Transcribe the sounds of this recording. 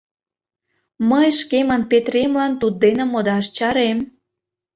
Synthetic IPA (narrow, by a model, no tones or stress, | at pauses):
məjʃkemənpet̪ɾemlɑnt̪ud̪̚ːenə̆mod̪ɑʃt͡ɕɑɾem